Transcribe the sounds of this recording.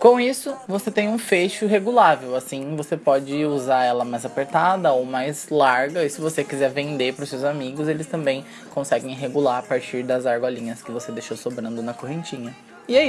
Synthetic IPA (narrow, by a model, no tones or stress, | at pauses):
kõisʊvoset̪ẽj̃ũfejʃʊɦeɡulavewasĩvosepɔd͡ʒɪuzaɛlɐmajzapeɾt̪ad̪ɐowmajzlaɾɡɐisɪvosekizɛɾvẽnd̪epɾʊsewzamiɡʊzelɪst̪ɐ̃mbẽj̃ | kõsɛɡẽj̃ɦeɡulaɾapaɾt͡ʃiɾd̪ɐzaɾɡwɐlĩɲɐskɪvosed̪ejʃowsobɾɐ̃nd̪ʊnɐkoɦẽnt͡ʃĩɲɐ | ɪɛi